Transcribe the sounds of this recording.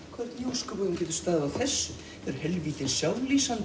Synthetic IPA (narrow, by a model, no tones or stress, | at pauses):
kʰvɛr̥t̪njoːwskʏpʏɣnacɛːt̪ʏ̥st̪aːðɪawθɛsːʏ | ɛɾhɛlviːt̪ɪnsjaw̪liːsan